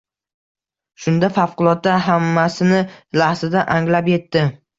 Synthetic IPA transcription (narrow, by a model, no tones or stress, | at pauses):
ʃʊnd̪afafqʊlˠɒt̪̚ːaɦamːasɪnɪlahzɪd̪aʔaŋlapje̞t̪ːɪ